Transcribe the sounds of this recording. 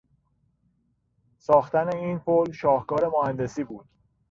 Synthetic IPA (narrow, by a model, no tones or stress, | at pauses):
sɒːxt̪æne̞iːnpʰolʃɒːhkɒːɾe̞mohænd̪e̞siːbuːd̪̥